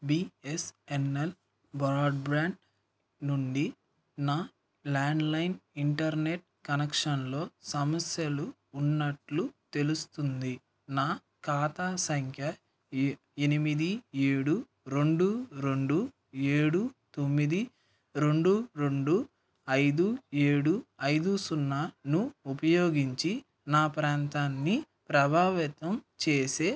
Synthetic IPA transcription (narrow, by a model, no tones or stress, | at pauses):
biːesenel | bɾaːɖ̚bɾaːɳɖ | nuɳɖi | naː | laːɳɖlɐjniɳʈɐɾne̞ʈ̚kɐnekʂɐnlo̞ːsɐmɐsjɐluː | nːɐʈlut̪e̞lust̪und̪i | naː | kaːt̪aːsɐŋkʰjɐ | enimid̪ie̞ːɽu | ɾe̞ɳɖuɾe̞ɳɖu | eːɽut̪o̞mːid̪i | ɾe̞ɳɖuɾeɳɖu | ɐjd̪ue̞ːɽuɐjd̪usunːaːnuupɐjo̞ːɡiɲt͡ʃi | naːpɾaːnt̪aːnːi | pɾɐbʱaːʋit̪ɐmt͡ʃeːse̞ː